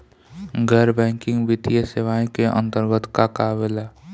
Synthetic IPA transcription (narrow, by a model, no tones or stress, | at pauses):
ɡʱəɾbɛ̃ːŋkɪ̃ŋɡʋɪt̪ijəseʋaːĩkeʔə̰̃nt̪əɾɡət̪kakaːʋela